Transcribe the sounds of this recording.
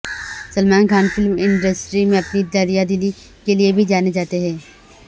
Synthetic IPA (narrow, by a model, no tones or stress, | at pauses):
səlmaːnkʰaːnfʰɪlmɪ̃ɳɖəsʈɾimẽɐpnid̪aːɾijad̪ɪli | keliebʱid͡ʒaːned͡ʒaːt̪eɦɛ̃ː